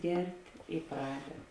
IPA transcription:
ˈɡʲɛrʲtʲ ɪ ˈprɑːdʲɛt

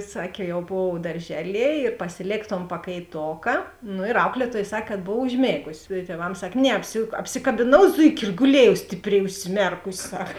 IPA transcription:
ˈsɑːkʲeː jɛʊ ˈboːw dɐrʲˈʒʲæːˌlʲiɛ ɪr pɐsʲɪˈlʲeːk toːn pɐkɐɪˈtoːkɐ noː ɪr ˈɐʊklʲiɛˌtuɔj ˈsɐk kɐt ˈboːw ʊʒʲˈmʲeːɡʊsʲɪ ɪ tʲiɛˈʋɐms ˈsɐkʲ ˈnʲɛ ˈɑːpʲsʲɪ ɐpʲsʲɪkɐbʲɪˈnɐʊ ˈzʊɪkʲɪ ɪr ɡʊˈlʲeːjɛʊ sʲtʲɪpʲˈrʲɛɪ ʊʃʲsʲɪˈmʲɛrkʊsʲ sɐk

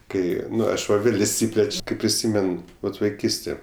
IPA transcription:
ˈkɐɪ ˈɐʃ ˈʋɐ ˈʋʲeːlʲ ɪʃʲˈsʲiːpʲlʲɛt͡ʃʲ ˈkɐɪ pʲrʲɪˈsʲiːmʲɛn ˈʋɐt ʋɐɪˈkʲiːsʲtʲeː

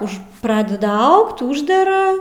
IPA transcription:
ʊʃ ˈprɑːdʲɛdɐ ˈɐʊkt ˈuːʒʲdʲɛrɐ

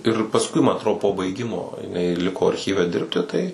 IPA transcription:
ɪr pɐsˈkʊɪ mɐ ɐtˈroː poː bɐɪˈɡʲɪmoː jɪˈnɐɪ ˈlʲɪkoː ɐrʲˈxʲiːʋʲɛ ˈdʲɪrʲpʲtʲɪ ˈtɐɪ

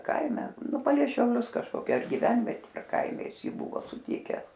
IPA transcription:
ˈkɐɪmʲɛ ˈnʊ pɐlʲɛɪ ʃʲɛʊˈlʲʊs kɐʃkoːˈkʲɛ ɐr ɡʲɪˈʋʲɛnʲʋʲɛtʲeː ɐr ˈkɐɪmʲɛ ˈjɪs ˈjiː ˈbʊʋoː sʊˈtʲɪkʲɛs

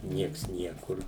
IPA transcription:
ˈnʲiɛks ˈnʲiɛkʊr

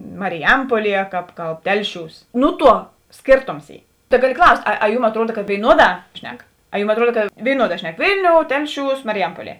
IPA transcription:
mɐrʲɪˈjɛmpuɔˌlʲiɛ kɑːp ˈkɐlˠp ˈtʲɛlʲˌʃʲuːs ˈnʊ ˌtuɔ ˈsʲkʲeːrˌtoːms ˈiː tɐ ˈɡɑːˌlʲɪ ˈklˠɐʊsʲtʲ ɐ ɐ ˈjuːm ɐtˈruɔdɐ kɐ ʋʲeːɪˈnuɔˌdɑː ˈʃʲnʲɛk ɐ ˈjuːm ɐtˈruɔdɐ kɐ ʋʲeːɪˈnuɔˌdɑː ˈʃʲnʲɛk ˈʋʲɪlʲˌnʲoːʊ ˈtʲɛlʲˌʃʲuːs mɐrʲɪˈjɛmpuɔˌlʲiɛ

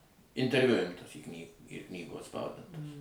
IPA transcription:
ɪnʲtʲɛrʲˈʋʲʊ ˈɪmtɐs iː knʲiː ɪr ˈknʲiːɡoːj ɐtˈspɐʊdʲɪntɐs

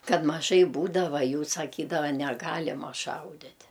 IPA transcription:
ˈkɐt mɐˈʒɐɪ ˈbuːdɐʋɐ ˈjuː sɐˈkʲiːdɐʋɐ nʲɛˈɡɑːlʲɪmɐ ˈʃɐʊdʲɪtʲ

